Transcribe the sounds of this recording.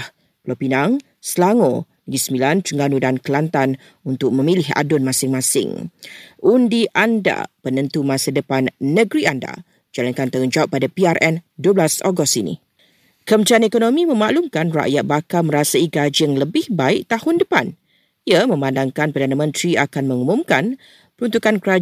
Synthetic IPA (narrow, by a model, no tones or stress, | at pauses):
h | plopinaŋ | səlaŋo | ɡisəmbilant̪əŋɡanudankəlant̪an | unt̪ʊk̚mə̃milɪɦa̰dʊnmasɪŋmãsɪ̰ŋʔundiʔanda̰pənənt̪umãsadəpanːə̃ɡɾianda̰ | d͡ʒalankant̪ahund͡ʒawap̚ːadapiarʔɛnduəblasoɡɔst̪inḭ | kəmət̪ianekonomĩmə̃maʔlumkanra̰ʔjat̪̚bakamə̃ɾasaiɡad͡ʒiəŋləbɪhbaɪʔ̚t̪ahʊndəpan | iamə̃mãndaŋkanpərdanamə̃nt̪ɾiakanmə̃ŋumumkan | pəɾunt̪ukankəɾa